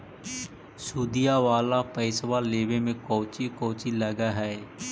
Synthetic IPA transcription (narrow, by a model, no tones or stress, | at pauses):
suːd̪ijaʋaːlapəɪsʋaːleːʋemẽkɔːt͡ʃikoːt͡ʃiləɡaɦɛe